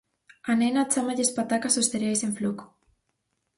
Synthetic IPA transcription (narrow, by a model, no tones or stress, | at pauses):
anenat͡ʃamaʎespat̪akasost̪eɾjajseɱfluko̥